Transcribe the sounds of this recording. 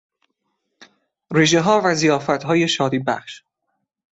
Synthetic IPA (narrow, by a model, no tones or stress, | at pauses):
ɾeʒeɦɒːvæzijɒːfæt̪ɦɒːjeʃɒːd̪iːbæ̰χʃ